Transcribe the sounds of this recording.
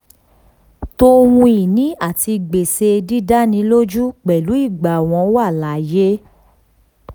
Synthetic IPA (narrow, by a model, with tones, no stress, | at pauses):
to˧˦˧wũ˧i˨nĩ˨˦a˦˨ti˧ɡ͡be˨se˧di˦da˦nĩ˨˧˦lo˦d͡ʒu˦k͡pɛ˨lu˨˦i˦˨ɡ͡ba˨w̃ɔ̃˧˦wa˦˨la˨je˦